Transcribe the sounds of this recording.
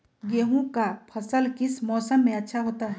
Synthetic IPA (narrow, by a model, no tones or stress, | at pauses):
ɡeːɦõkapʰɐsəlkɪsmɔːsəmːẽɐtːʃʰaɦoːt̪aɦɛ